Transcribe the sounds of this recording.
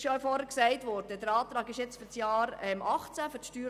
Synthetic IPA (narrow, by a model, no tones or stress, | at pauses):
ʃœɥfɔɾhəɾksɛɪtʋɔɾdəd̥əɾɑːt̪ɾɑːɡɪʃjɛt͡sfʏɾsjɑːɾɛmʔɑχt͡sæfʏɾʃtyːɾ